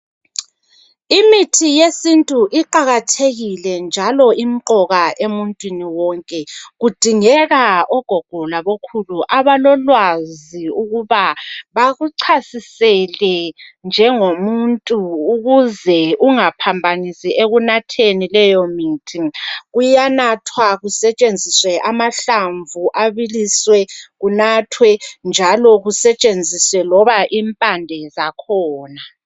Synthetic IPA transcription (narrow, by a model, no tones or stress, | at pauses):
imitʰijesintʼuʔiǃaɣatʰeɣilɛnd͡ʒʱalɔʔim̩ǃɔɣaʔemuntʼwiniwɔŋkʼɛɣud̥ʱiŋɛɣaɔɡ̥ʱɔɡ̥ʱɔlaβokʰuluʔaβalɔlwaziuɣuβaβaɣuǀʰasisɛlɛnd͡ʒʱɛŋomuntʼuːɣuzɛuŋapʰambʱanisiʔeɣunatʰenilɛjɔmitʰiŋɣujanatʰwaɣusɛt͡ʃʼend͡zʱiswɛʔamaɬaɱvuʔaβiliswɛɣunatʰwɛnd͡ʒʱalɔɣusɛt͡ʃʼend͡zʱiswɛlɔβaʔiːmpʼandʱɛzakʰɔːna